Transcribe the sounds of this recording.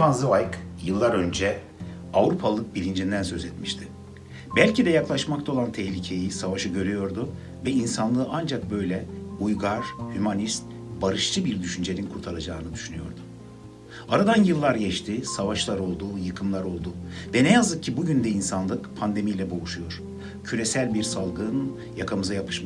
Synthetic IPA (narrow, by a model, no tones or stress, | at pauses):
panzɯvajkjɯlˠːaɾø̞nd͡ʒɛ | avɾupʰalˠɯk̚bilʲind͡ʒind̪ænsø̞zɛt̪miʃt̪ʰɪ̥ | bælʲcid̪ɛjaklˠaʃmakt̪ʰao̞lˠant̪ʰɛhlʲicʰe̞jisavaʃɯɟø̞ɾyjo̞ɾd̪u | vɛinsanlˠɯːʔand͡ʒak̚bø̞jlʲɛujɡaɾhymanist̪ | baɾɯʃt͡ʃʰɯbiɾd̪yʃynd͡ʒe̞ninkʰuɾt̪ʰaɾˠad͡ʒaːnɯd̪yʃynyjo̞̰ɾd̪ʊ | aɾad̪anjɯlˠːaɾɟɛʃt̪ʰisavaʃlˠaɾo̞lˠd̪ujɯkʰɯmlˠaɾo̞lˠd̪uvɛnɛjazɯk̚cʰːibuɟynd̪ɛinsanlˠɯkpʰand̪e̞mijlʲɛbo̞uʃujo̞ɾ̥ | cʰyɾesælʲbiɾsalˠɡɯn | jakʰamɯzajapʰɯ̥ʃm